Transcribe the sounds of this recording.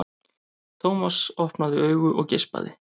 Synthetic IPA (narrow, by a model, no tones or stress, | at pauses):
t̪ʰowmasɔhpnaðɪœːɥɣʏʔɔɣcɪspa̰ðɪ̰